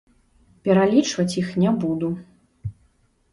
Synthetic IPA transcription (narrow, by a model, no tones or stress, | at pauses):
pʲɛɾalʲit͡ʂvɐt͡sʲjixnʲɛbud̪u